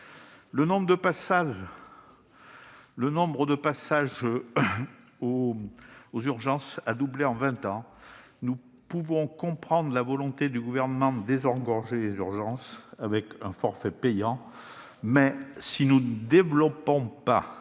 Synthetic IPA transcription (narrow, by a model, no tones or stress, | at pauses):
lənɔ̃bʁəd̪əpasaʒ | lənɔ̃bʁəd̪əpasaʒ | o | ozyʁʒɑ̃sad̪ubleɑ̃vɛ̃t̪ɑ̃ | nu | puvɔ̃kɔ̃pχɑ̃d̪ʁəlavɔlɔ̃t̪ed̪yɡuvɛʁnəmɑ̃d̪əd̪ezɑ̃ɡɔʁʒelezyʁʒɑ̃savɛkɛ̃fɔʁfɛpɛjɑ̃ | mɛsinuəd̪evlɔpɔ̃pa̰